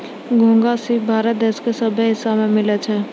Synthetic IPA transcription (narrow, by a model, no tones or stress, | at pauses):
ɡʱõːŋɡasibʱaːɾət̪̚d̪eːskesəbʱəɦɪsamẽmɪlət͡ʃʰɛː